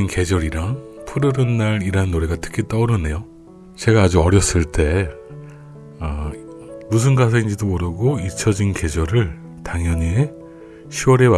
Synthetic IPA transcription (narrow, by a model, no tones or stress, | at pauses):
nke̞d͡ʑʌɾiɾaŋpʰɯɾɯɾɯnːaɾiɾanːoɾe̞ɡatʰɯ̥kʰit͈ʌuɾɯnːe̞jo | t͡ɕe̞ɡaːd͡ʑuʌɾjʌs͈ɯɭt͈e̞ | ʌ | mus̬ʰɯnɡasʰeind͡ʑidomoɾɯɡoit͡ɕʰʌd͡ʑinke̞d͡ʑʌɾɯɭ | taŋjʌɲie | ɕʰiwʌɾe̞